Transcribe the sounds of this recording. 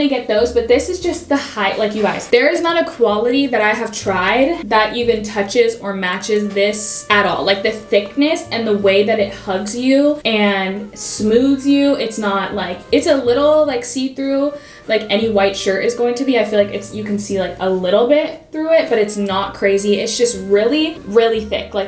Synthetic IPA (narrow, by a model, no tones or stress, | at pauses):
iɡɛt̪̚ðoʊzbʌt̪̚ðɪsɨzd͡ʒʌst̪̚ðəhaɪʔlaɪkjɨɡaɪz̥ðə˞ɨznəɾɨkʰw̥ɑlˠəɾiðɨɾaɪɨv̥tʰɹ̥aɪd̪̚ðət͡ʃɨvɨ̃ntʰʌt͡ʃɪzə˞mæt͡ʃɪzðɪsɨɾɔ̰lˠlaɪk̚ðɨθɪknɨsɨ̃nðəweɪðɨɾɨt̚hʌɡzjʉɨ̃nsmʉðzjʉɪtsnətlaɪkɨtsəlɪɾl̩ˠlaɪksiθɹʉ | laɪkɛñiwaɪtʃɜ˞ɾɨzɡoʊɪ̃ŋtʰɨbiaɪfilaɪkɨtsjɨkɨ̃nsilaɪkəlɪɾl̩ˠbɪt̪̚θɹuɪt̚b̥ʌɾɨtsnət̚kʰɹ̥eɪziɪtsd̥ʒ̥ʌst̚ɹɪlˠiɹɪlˠiθɪ̰klaɪk̚